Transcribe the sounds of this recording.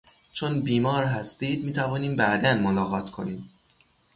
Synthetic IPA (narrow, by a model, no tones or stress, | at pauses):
t͡ʃʰonbiːmɒːɾɦæst̪iːd̪̚miːt̪ʰævɒːniːmbæʔd̪ænmolɒːɣɒːt̪ʰkʰo̞̰niːm